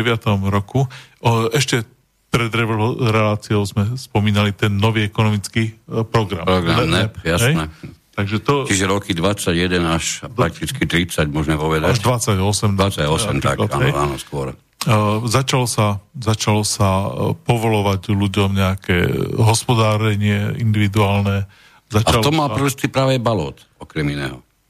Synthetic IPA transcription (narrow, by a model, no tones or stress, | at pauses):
ɛʋɪat̪ɔmɾɔku | ɛʃcɛ | pɾɛd̪ɾɛʋɾɛlaːt͡siɔʊzmɛspɔmiːnalit̪ɛnːɔʋiːɛkɔnɔmit͡skiːpɾɔɡɾa̰mɾɔɡɾanɛpjasɦɛjnɛt̪aɡʒɛt̪ɔt͡ʃiʒɛɾɔkid̪ʋat͡sːaɟjɛd̪ɛnaʃdp̪ɾak̚t̪it͡skit̪ɾit͡saɟmɔʒmɛpɔʋɛd̪aaʒʋat͡sːaɟɔsɛmat͡saɔsɛmt̪a̰kaaja̰nɔ̰skʊɔɾ | zat͡ʃalɔsazat͡ʃalɔsapɔʋɔlɔʋaɟluɟɔmɲɛakɛ̰ːɦɔspɔd̪aːɾɛɲɪɛḭnd̪iʋid̪uaːlnɛ | zat͡ʃaalt̪ɔmalɾɔst̪ipɾaːʋɛbalɔ̰ːt̪ | ɔkɾɛminɛ̰ːɦɔ